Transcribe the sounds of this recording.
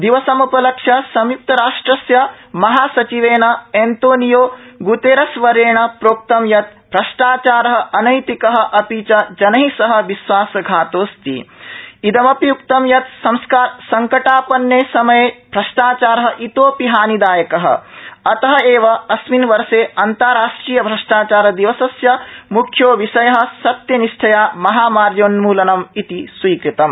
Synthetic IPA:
d̪iʋɐsɐmupɐlɐkʂjɐsɐmjup̚t̪ɐɾaːʂʈɾɐsjɐ | mɐɦaːsɐt͡ʃiʋeːɳɐeːnt̪oːnijoːɡut̪eːɾɐsʋɐɾeːɳɐpɾoːk̚t̪ɐmjɐt̪̚ | pɾɐʃʈaːt͡ʃaːɾɐɦɐɐnɐjt̪ikɐɦɐ̆ʔɐpiːt͡ʃɐd͡ʒɐnɐɦisɐɦɐ̆ʋiʃʋaːsɐɡʱaːt̪oːst̪ḭid̪ɐmɐpjuk̚t̪ɐmjɐt̪sɐmskaːɾsɐŋkɐʈaːpɐnjeːsɐmɐjeːbʱɾɐʂʈaːt͡ʃaːɾɐɦɐ̆ʔit̪oːpiɦaːnid̪aːjɐkɐɦɐ̰̆ɐt̪ɐɦɐeːʋɐɐsminʋɐɾseːɐnt̪ɐɾaːʂʈɾiːjɐbʱɾɐʂʈaːt͡ʃaːɾɐd̪iʋɐsɐsjɐmukʰjoːʋiʃɐjɐɦɐ̆sɐt̪jɐniʃʈʰɐjaːmɐɦaːmaːɾjoːnmuːlɐnɐmit̪iswiːkɾit̪ɐm

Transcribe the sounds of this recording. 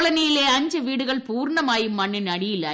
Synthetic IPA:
ɭɐnijɪleːɐɲd͡ʒɐʋiːɽɯɣɐɭpuːɾnɐmaːjɯmːɐɳːɪnɐɽɪjɪlːɐ

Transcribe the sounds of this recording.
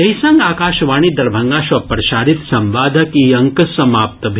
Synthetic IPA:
ɐjsɐŋɡaːkaːʃʋaːɳ̃iːd̪ɐɾbʱɐŋɡaːʃʋɐpɾɐʃaːɾit̪sɐmʋaːd̪ʱɐkiːɐŋkɐsɐmaːp̚t̪ɐbʱ

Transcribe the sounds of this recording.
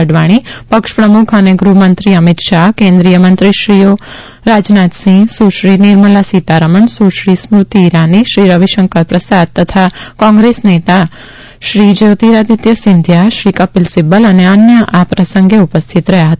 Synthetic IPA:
əɖʋaɽ̃ipəkʃpɾəmukʰəneɡɾuɦmənt̪ɾiəmit̪ʃaɦkẽnd̪ɾijəmənt̪ɾiʃɾio | ɾad͡ʒnat̪sĩsuʃɾiniɾməlasit̪aɾəməɳsuʃɾismɾut̪iːɾaniʃɾiɾəʋiʃəŋkəɾpɾəsad̪̚t̪ət̪ʰakɔ̃ŋɡɾesnet̪a | ʃɾid͡ʒeːt̪iɾad̪it̪jəsɪnd̪ʱjaʃɾikəpɪlsibələneənjəʔapɾəsəŋɡeupəst̪ʰit̪ɾəɦjaɦət̪a

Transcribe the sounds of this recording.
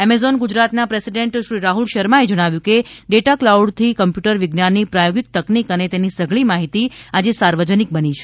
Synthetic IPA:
emezɔnɡʊd͡ʒɾat̪napɾesiɖeɳʈʃɾiɾaɦulʃəɾmaed͡ʒəɽ̃aʋjũkeɖeʈaklauɖt̪ʰikəmpjuʈəɾʋɪɡnanːipɾajoɡik̚t̪əknikənet̪enisəɡɭimaɦit̪iad͡ʒesaɾʋəd͡ʒənik̚bənit͡ʃʰe̥

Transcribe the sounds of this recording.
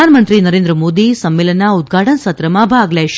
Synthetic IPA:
aːnɐmɐnt̪ɾinɐɾeːnd̪ɾɐmoːd̪isɐmːeːlɐnaud̪̚ɡʱaːʈɐnɐsɐt̪ɾɐmaːbʱaːɡleʃ

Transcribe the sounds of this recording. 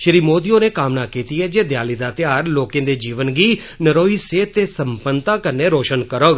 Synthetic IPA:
ʃəɾiːmoːd̪ijõːneːkaːmnaːkiːt̪iːɦɛːd͡ʒeːd̪jaːliːd̪aːt̪ɪjaːɾloːkẽːd̪eːd͡ʒiːʋənɡiː | nəɾoːiːseːt̪ːeːsəmpənt̪ãːkəɾneːɾoːʃənkəɾoːɡ

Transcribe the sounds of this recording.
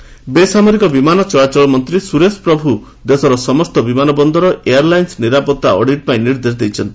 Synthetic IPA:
besamɔɾikɔbimanɔt͡ʃɔɭat͡ʃɔɭɔmɔnt̪ɾisuɾespɾɔbʱu | d̪esɔɾɔsɔmɔst̪ɔbimanɔbɔnd̪ɔɾɔeaɾlajnsniɾapɔt̪ːaɔɽʱiʈ̚paĩniɾd̪esd̪ejt͡ʃʰɔnt̪i

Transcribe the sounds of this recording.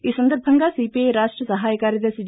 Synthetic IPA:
ɪsənd̪əɾpʰəŋɡaːsiːpeɾaːʃʈɾəsəɦaːjkaɾed̪esid͡ʒ

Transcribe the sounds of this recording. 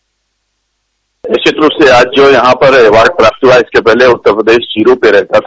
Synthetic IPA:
eʃet̪ɾʊseaːd͡ʒd͡ʒojɐɦãpɐɾeːʋaːɾɖ̚pɾaːp̚t̪ɦuaɪskepɛɦleʊt̪ːəɾpɾəd̪eːʃd͡ʒiːɾõpeɾɛɦt̪at̪ʰa

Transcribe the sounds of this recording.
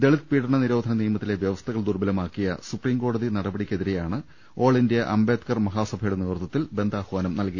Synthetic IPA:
d̪eɭit̪̚piːɽɐɳɐniɾo̞ːd̪ʱɐnɐniːjɐmɐt̪ːile̞ʋjɐʋɐst̪ʰɐɣɐɭd̪urbɐlɐmaːkːijɐ̰supriːmko̞ːɽɐðinɐɽɐbɐɽikʲːeðiɾe̞jaːɳɨ | o̞ːɭindjɐʔɐmbe̞ːt̪kɐrmɐɦaːsɐbʱɐjuɽeniʋrt̪ːɐt̪ːilbe̞nd̪aːhʋaːnɐmnɐlkijɐ

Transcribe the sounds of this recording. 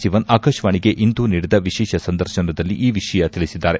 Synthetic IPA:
ʃiʋɐnaːkɐʃʋaːɳiɡe̞ʔind̪uːniːɽid̪ɐʋiʃɛːʃɐsɐnd̪ɐɾʃɐnɐd̪ɐlːiʔiːʋiʃɐjɐt̪iɭisid̪ːaːɾe̞

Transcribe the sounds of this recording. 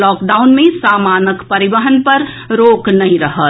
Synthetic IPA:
lɔːkɖaʊnmẽsaːmaːnəkpəɾibəɦənpəɾ | ɾoːknəɦĩɾəɦət̪

